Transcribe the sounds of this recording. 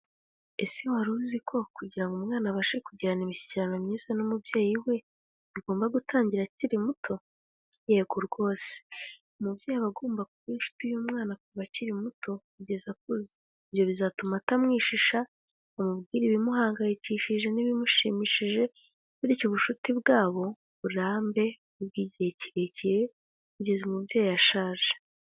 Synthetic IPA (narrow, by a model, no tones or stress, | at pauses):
esiwaɾuzikʰo̞kuɟiɾaŋɡomŋaːnaβaʃekuɟiɾanimiçi̥ciɾanamɲiːzanumubjeːjiwe̞ | βiɡo̞ːmbaɡutʰaːɲɟiɾaciɾimutʰo̞ | jeɡuɾɡwo̞ːse̥ | omubjeːjiβaɡoːmbakuβiʃu̥tujumŋaːnakuβaciɾimuto̞ | iɟezak̚uzi | iβjo̞βizatumatamŋiːʃiʃa | omubɡiːɾiβimuɦaːŋɡajiciʃiʒe̞niβimuʃḭːmiʃiʒe̞ | βuɾiːcuβuʃutibɡaːβo̞ | βuɾaːmbe̞ | uβɡiːɟiɾe̞ciɾe̞ciɾe̞ | βiɟezumubjajojaʃaːʒe